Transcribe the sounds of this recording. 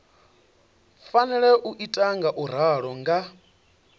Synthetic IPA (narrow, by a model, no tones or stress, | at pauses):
fanɛɺɛʔuʔitʼaŋɡaʔuɾ̤aɺɔŋɡa